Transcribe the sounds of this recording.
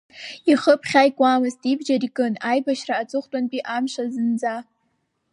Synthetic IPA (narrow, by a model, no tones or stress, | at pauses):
iχəpʰχʲajkʷʼamɨztʼibd͡ʒarikʼɨnajbaʃraːt͡sʼɨχʷtʼanpʼiʔamʃazɨnd͡za